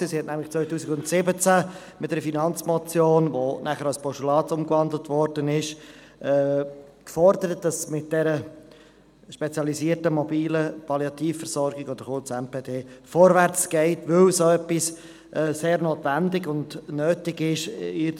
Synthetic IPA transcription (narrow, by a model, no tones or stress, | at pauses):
isihɛtnæmlɪχt͡svœʏtuːsɪkʊntsɪbət͡sæ | mɪtdɛɾəfinɑnt͡smɔt͡sjoːnʋonæχəɾɑlspɔʃulɑːtsʊmkvɑndl̩tʋɔɾdənɪʃ | ʔɛːkfɔɾdəɾət̚d̥ɑsmɪt̚d̥ɛɾə | ʃpɛt͡sjɑlisiːəɾtəmɔbiːləpɑliɑtiːffəɾsɔɾɡɪɡod̥̪əɾχʊɾt͡sɛmpeːdeːfɔɾʋæɾt͡sɡ̥ɛɪtʋɵlsoɛpːis | ʔɛːseːɾnoːtʋændɪɡʊndnøːtɪɡɪʃɪ